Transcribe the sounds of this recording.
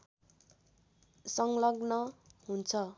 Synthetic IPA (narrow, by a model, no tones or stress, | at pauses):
sʌŋlʌɡnʌɦunt͡sʰʌ